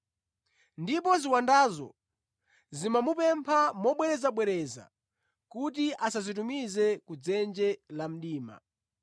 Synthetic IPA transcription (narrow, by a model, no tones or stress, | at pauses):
ndipɔziwandaːzɔ̰ | zimamupɛmpʰamɔɓwɛɾɛzaɓwɛɾɛza̰ | kut̬iʔasazit̬umizɛkud͡zɛnd͡ʒɛlam̩ɗiːma̰